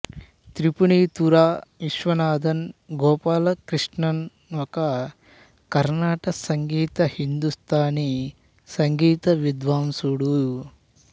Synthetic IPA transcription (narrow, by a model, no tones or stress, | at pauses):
t̪ɾipuɳiːt̪uɾaːiʃʋɐnaːd̪ʱɐnɡɔːpaːlɐkɾiʂɳɐn | ɔkɐ | kɐɾnaːʈɐsɐŋɡiːt̪ɐhind̪ust̪ʰaːni | sɐŋɡiːt̪ɐʋid̪ʋaːmsuɽu